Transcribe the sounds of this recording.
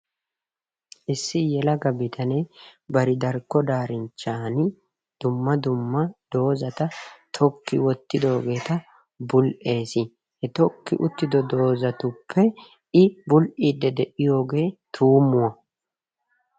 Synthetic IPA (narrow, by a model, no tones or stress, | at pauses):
ʔɪsːɪjɛlɐɡɐbɪt̪ʰɐnɛbɐɾɪd̪ɐɾkːɔd̪aːɾɪnt͡ʃːaːnɪ | d̪̥ʊmːɐd̪ʊmːɐd̪̥o̞ːzɐt̪ɐt̪ʰɔkːɪwɔt̪ːɪd̪o̞ːɡe̞ːt̪ɐ | bʊlʔe̞ːsɪ | hɛt̪ɔkːɪ̰ʔʊt̪ːɪd̪ɔd̪o̞ːzɐt̪ʊpʰːɛ | ɪbʊlʔiːd̪ːɛd̪ɛʔɪjo̞ːɡe̞ːt̪ʰuːmʊwɐ